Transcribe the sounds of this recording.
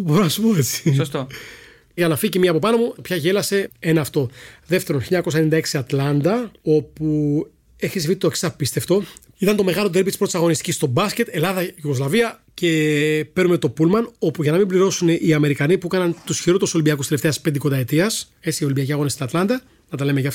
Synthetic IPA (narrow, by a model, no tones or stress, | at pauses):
bo̞ɾonɐsu̥poet͡si̥st̪o | ʝɐnɐficimiɐpo̞pɐno̞mupçɐʝe̞lɐse̞e̞nɐːft̪o̞ðe̞ft̪e̞ɾonçiʎɐɲɐko̞sɐenind̪ɐeksiɐt̪lɐnd̪ɐo̞pu | eçisivit̪oksɐfpist̪e̞ft̪o̞ | it̪ɐnt̪o̞me̞ɣɐlot̪ebit̪ispɾot̪isɐɣo̞nist̪icʲist̪o̞bɐsce̞t̪e̞lɐðɐʝuɣo̞zlɐviɐ | ce̞pe̞ɾnume̞t̪o̞pulmɐno̞puʝɐnɐmimbliɾo̞suneʔiɐme̞ɾikɐnipuekɐnɐnt̪usçiɾot̪oso̞limbiɐkust̪eeft̪e̞ɐspend̪ikod̪ɐet̪iɐs | e̞t͡siːo̞limbiɐciɐɣo̞nest̪inɐt̪lɐnd̪ɐ | nɐt̪ɐle̞meʝɐf